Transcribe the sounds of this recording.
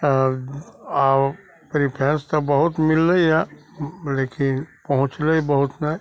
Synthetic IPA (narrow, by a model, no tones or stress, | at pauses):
a | pɾipʰɛ̃ːnst̪obəɦʊt̪mɪlːəija | leːkɪnpɐɦʊ̃t͡ʃləibəɦʊt̪na